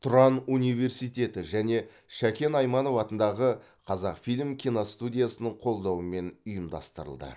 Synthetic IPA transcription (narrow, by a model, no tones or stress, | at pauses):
t̪ʰʊɾɑnunijve̞ɾsijt̪ʲe̞t̪ɪʒæne̞ | ʃækʲe̞nɑjmɑno̞vɑt̪ənd̪ɑʁə | qʰɑzɑqfilʲmkʲʰijnost̪ud̪ʲijasənəɴqʰo̞lˠd̪ɑwəme̞nʊjəmd̪ɑ̰st̪əɾə̰lˠd̪ə̰